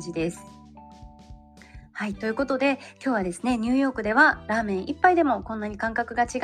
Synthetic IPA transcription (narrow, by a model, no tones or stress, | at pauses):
d͡ʑid̪e̞sɨ̥ | hait̪o̞jɯ̟ko̞t̪o̞d̪e̞kʲo̞ːβad̪e̞sɨne̞ɲ̟ɨːjo̞ːkɯ̟d̪e̞βaɾaːmẽ̞ɰ̃ʔipːaid̪e̞mo̞kõ̞nːaɲ̟ikãŋkakɯ̟ɡat͡ɕiɡ